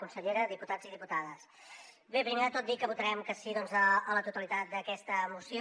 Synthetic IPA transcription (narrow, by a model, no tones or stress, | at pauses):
kunsəʎeɾəðiput̪ad͡ziðiput̪aðəs | bepɾimeðət̪ot̪̚d̪ikəβut̪əɾɛmkəsiðɔnzəələt̪ut̪əlit̪at̪̚d̪əkɛst̪əmusjo